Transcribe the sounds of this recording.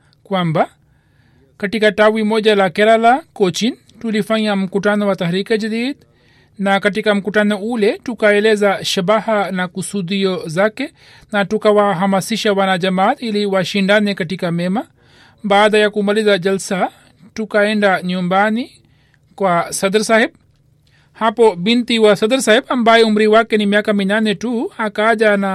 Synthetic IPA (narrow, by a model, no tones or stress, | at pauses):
kwamba | katikatawimɔʄalakɛɾalakɔt͡ʃin | tulifaɲam̩kutanɔwat̪aɾikaʄadid | nakatikam̩kutanɔulɛtukaɛlɛzaʃaɓahanakusuɗiɔzakɛ | natukawaɦamasiʃawanaʄamatiliwaʃindanɛkatikamɛma | baːdajakumalizad͡ʒalsa | tukaɛndaɲumbani | kwasad̪ɾsahɛb | hapɔbint̪iwasad̪ɾsahɛbambajɛum̩ɾiwakɛnimiakaminanɛtuakad͡ʒana